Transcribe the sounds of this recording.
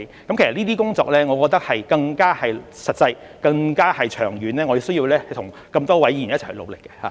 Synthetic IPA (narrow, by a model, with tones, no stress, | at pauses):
kkɐ˦mkʰsɐ˨˩niː˥t̪iː˥kʊ˥ŋt͡sɔ̰ː˧k̚lɛː˥ŋɔː˨˧kɔː˧k̚t̪ɐ˥k̚hɐ˨jkɐ˧ŋkaː˥hɐ˨jsɐ˨t̚t͡sɐ˧j | kɐ˧ŋkaː˥hɐ˨jt͡ʃʰœː˨˩ŋjyː˨˥nlɛː˥ŋɔ˨˧ji˨˧wsɵ˥jiː˧wlɛː˥hɐ˨˩t̪ʰʊ˨˩ŋ | kɐ˧mt̪ɔː˥wɐ˨˥jjiː˨˩njɐ˥t̚ʰlo̰˨˧wlɪ˨kːɛ̥˧ha̰ː˨˦